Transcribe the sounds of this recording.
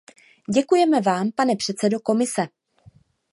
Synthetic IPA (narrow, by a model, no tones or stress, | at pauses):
ɟɛkujɛmɛvaːmpanɛpr̥ɛt̪t͡sɛdo̞ko̞mɪsɛ